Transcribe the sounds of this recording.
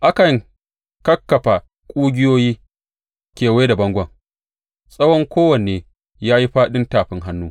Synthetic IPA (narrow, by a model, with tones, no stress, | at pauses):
ʔa˦kɐ˨ŋ | kɐ˦kːɐ˨ɸa˨ | kʷʼuː˦ɡʲɪ˦joː˦jiː˦ | kʲeː˨weː˦da˨bɐ˦ŋɡʷɐ˦˨ŋ | sʼɐ˦wɔ˦ŋkʷoː˦wɐ˨neː˨ | jaː˦ji˦ɸaː˦ɗɪ˦ntaː˨ɸɪ˦ŋɦa˦nːuː˦